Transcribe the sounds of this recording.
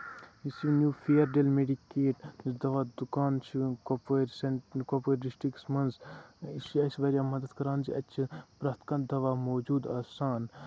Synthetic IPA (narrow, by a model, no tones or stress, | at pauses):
isinjuːpʰeɐɾɖelmeɖikːeːʈsd̪ɐʋaːd̪ukaːnt͡ʃʰikopoɾsekopoːɖisʈɾiksmɐnzisiɐsiʋɐɾjaːmɐd̪ɐd̪kɐɾaːnd͡ʒiɐtːt͡ʃʰipɾaːt̪kɐ̃nd̪ɐʋaːmoːd͡ʒuːd̪aːsaːn